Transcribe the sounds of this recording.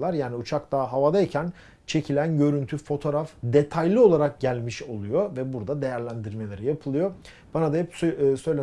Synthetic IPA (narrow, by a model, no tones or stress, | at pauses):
lˠaɾjaːniut͡ʃʰakt̪aːɦavad̪aicʰæn | t͡ʃʰe̞cʰilʲænɟø̞ɾynt̪ʰyfo̞t̪ʰo̞ɾafd̪e̞t̪ʰajlʲˠio̞lˠaɾak̚ɟælʲmiʃo̞lˠujovɛbuɾd̪ad̪e̞jæɾlʲænd̪iɾme̞lʲe̞ɾijapʰɯlˠɯjo | b̥anad̪ahɛpssø̞jlʲe